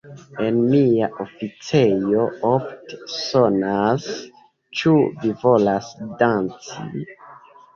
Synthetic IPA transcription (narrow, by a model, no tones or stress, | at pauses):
e̞nmiaʔofit͡se̞jo̞ofte̥so̞nas | t͡ʃuvivo̞lasdant͡sḭ